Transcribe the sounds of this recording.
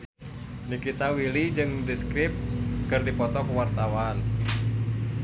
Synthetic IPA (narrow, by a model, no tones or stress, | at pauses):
nikit̪awilid͡ʒɨŋdiskɾɪp̚kɨrdipɔt̪ɔkəwart̪awan